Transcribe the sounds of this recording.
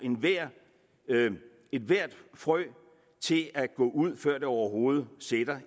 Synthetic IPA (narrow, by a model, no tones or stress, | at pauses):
e̝nʋæɐ̰ | e̝d̥ʋæɐ̰d̥fʁœ | t͡sʰe̝læɡ̥ɔ̰̽ːʔuð̞̰ˠfɶɐ̰d̥e̝ɒʊɐɦo̝ːð̞̩ˠəsed̥ɐ